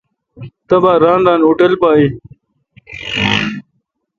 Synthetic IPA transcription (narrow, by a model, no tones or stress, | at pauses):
t̪ɐbaːɾaːnɖaːnuʈɐlpaːi